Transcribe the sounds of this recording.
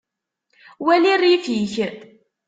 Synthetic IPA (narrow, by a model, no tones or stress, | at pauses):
wælirjifiç